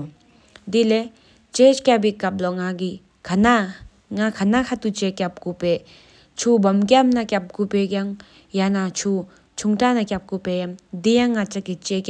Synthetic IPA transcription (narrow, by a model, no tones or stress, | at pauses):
d̪ile | t͡ʃet͡ʃkabikːap̚lɔŋaɡi | kʰna | ŋakʰanakʰat̪ut͡ʃekap̚kupe | t͡ʃʰubɔmkamnakap̚kupeɡaŋ | janat͡ʃʰu | t͡ʃʰuŋtanakjap̚kupejamdijaŋːat͡ʃakːit͡ʃek